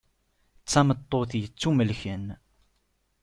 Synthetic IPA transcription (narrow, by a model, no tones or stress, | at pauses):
t͡sːæmət̪ˤːoθjət͡sːuməlçən